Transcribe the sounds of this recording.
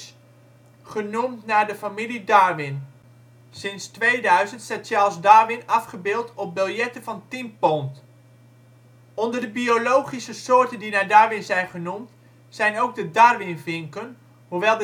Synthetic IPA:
χənumtnaːɹdəfamilidaːɹʋɪn | sɪnstʋejdœɥzəntsatsɛlˠsdaːɹʋɪnɑfχəbɪːlˠtɔp̚bɪlˠjɛtənvɑntimpɔnt | ɔndəɹdəbiolowχisəsʊːɹtəndinaːɹdaɹʋɪnzɛjnχənumt | sɛjnowɡ̚dədaɹʋɪnvɪŋkən | ɦuʋɛlˠd

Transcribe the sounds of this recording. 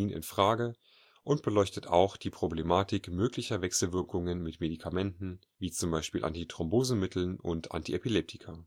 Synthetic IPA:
iːnɪ̰nfʁ̥aːɡə | ʔʊnt̚b̥əlɔʏçtəta̰ʊxd̥iːpʁ̥oblemaːtɪkmøːklɪçɐvɛksl̩vɪɐkʰʊŋənmɪtmedikʰamɛntn̩ | viːt͡sʊmbaɪʃpiːlʔa̰ntitʁ̥ɔmboːzn̩mɪtʰl̩nʔʊntʰʔa̰ntiʔepilɛp̚tʰɪ̥kʰɐ

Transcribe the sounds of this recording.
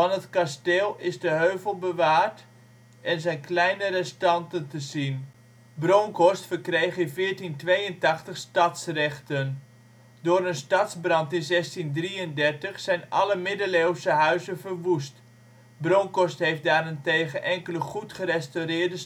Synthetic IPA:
fɑnɦətkasteːlˠɪzdəɦøɥvəlˠbəʋaːrt | ɛnzɛjnklɛjnərɛstɑntəntəzin | broŋkɔstfərkrejχɪvɪːɹtintʋejəntɑχtəχstɑtsrɛχtən | dʊːɾənstɑtzbrɑntɪnzɛstindriəndɛrtəχsɛjnɑ̰ləmɪdəlewsəɦœɥzənvərʋust | broŋkɔstɦejftdaːrɪnteːχənʔɛŋkələχutχərɛstowrɪːɹdəs

